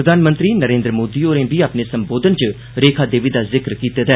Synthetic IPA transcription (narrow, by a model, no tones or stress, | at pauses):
ɾəd̪aːnmə̃nt̪ɾiːnəɾẽːnd̪ɾəmoːd̪iːoːɾẽːbiːaːpnesəmboːd̪ənt͡ʃə | ɾeːkʰaːd̪eːʋid̪aːzɪkɾkiːt̪eːd̪ɛː